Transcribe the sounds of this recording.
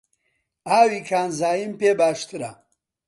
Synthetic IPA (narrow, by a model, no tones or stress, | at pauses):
aːwiːkʰaːnzaːjimpeːbaːʃt̪ʰɨɾɐ̰